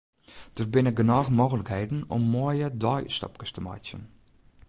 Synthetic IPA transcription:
d̥ərbɪnəɡənaːxmoɣələkheːdn̩ɔ̰mːɔjədɔjstɔ̰p̚kəstəma̰t͡ʃə̰n

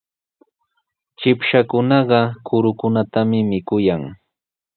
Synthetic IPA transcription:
t͡ʃɪpʃakʊnɑɢɑkʰʊɾʊkʊnat̪amɪmɪkʊjaŋ

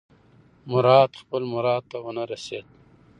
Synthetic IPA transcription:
mʊɾɑːd̪xpəlmʊɾɑːd̪̚t̪awənaɾɐseːd̪̚

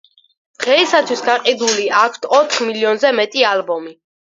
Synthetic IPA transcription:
d̪̥ʁɛisat̪ʰwisɡaqʼid̪uliakʰt̪ʰɔt̪ʰχmiliɔnzɛmɛt̪ʼialbɔmi

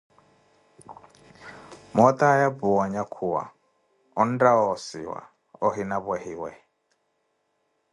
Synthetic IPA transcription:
mɔt̪aːjabuwaɲakʰuwa̰ | ɔndaɔsḭwa̰ | ɔɦinaβwɛhiwɛ̰

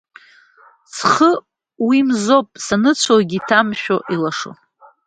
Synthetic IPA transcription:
sʰχə | wimzo̞pʼsanɨt͡ɕʷʰaɡʲitʰamʃᶣoʔilaʂo̰

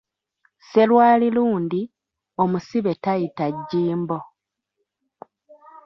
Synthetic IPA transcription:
se̞lwaːliluːndi | o̞musiβe̞tajitaɟːiːmbo̞

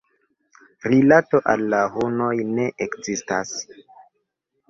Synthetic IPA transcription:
ɾilato̞ʔalːaɦuno̞jne̞ʔekzistas

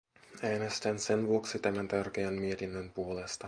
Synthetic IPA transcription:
æːnest̪ænsenʋuo̞ksit̪æmænt̪ærk̟ejænmie̞t̪inːømpuo̞lest̪ɑ

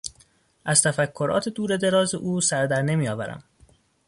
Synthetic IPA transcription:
ʔæz̥t̪ʰæfækʰːoɾɒ̰ːt̪ʰed̪uːɾe̞d̪e̞ɾɒːzḛʔuːsæɾd̪æɾne̞miːjɒːvæ̰ɾæ̰m

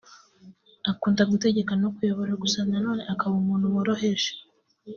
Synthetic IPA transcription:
akuːndaɡute̞ɟe̞kanokujoβoɾaɡusanano̞ːne̞ʔakaβumuːnhuwuɾoɦe̞ʃḁ

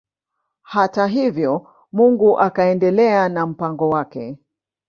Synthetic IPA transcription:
hataɦivjɔ | muŋɡuʔakaɛndɛlɛanam̩paŋɡɔwakɛ̰

